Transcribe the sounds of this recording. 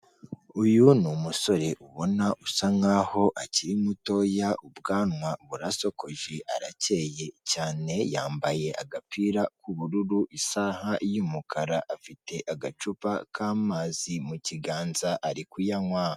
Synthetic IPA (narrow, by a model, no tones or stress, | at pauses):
ujunumuso̞ɾe̞ʔuβo̞naʔusaŋaho̞ʔaciɾimuto̞jaʔubɡaːnŋwaβuɾaso̞ko̞ʒe̞ʔa̰ɾace̞je̞caːne̞jaːmbaje̞ʔaɡapiːɾakuβuɾuɾuʔisahajuːmukʰaɾaʔafite̞ʔaɡat͡ʃupakʰaːmaːzimuciɡaːnzaʔaɾikujaŋwaha